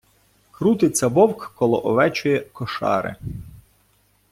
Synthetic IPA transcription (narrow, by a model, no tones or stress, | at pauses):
kɾut̪ɪt͡s̪ʲɐbɔwkːɔlˠɔ̰ʔɔʋɛt͡ʃʊjɛkɔʃɑ̰ɾɪ̰